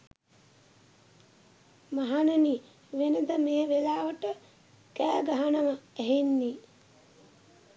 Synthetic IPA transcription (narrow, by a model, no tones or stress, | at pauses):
maɦanəni | ʋenəd̪əmeːʋelaːʋəʈə | kæːɡaɦanəməæɦenːi